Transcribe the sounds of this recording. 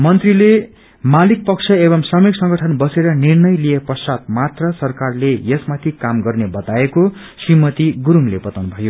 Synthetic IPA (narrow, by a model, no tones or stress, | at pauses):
mʌnt̪rile | malik̚pʌkt͡sʰʌebʌmsʌmeksʌŋɡʌʈʰʌnbʌseɾʌnirnʌjlijeprʌsat̪̚mat̪rʌsʌrkarlejesmat̪ʰikamɡʌrnebʌt̪aeko | srimʌt̪iɡuɾuŋlebʌt̪awnubʱʌjo